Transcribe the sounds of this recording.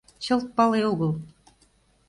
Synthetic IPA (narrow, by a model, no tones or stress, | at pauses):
t͡ɕɤ̆lˠt̪̚pɑlˠeoɣɤlˠ